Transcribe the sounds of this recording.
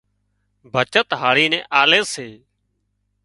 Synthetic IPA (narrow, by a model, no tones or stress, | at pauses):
bʱət͡ʃət̪ɦaːɽiːnɛ̃ːʔaːleːseː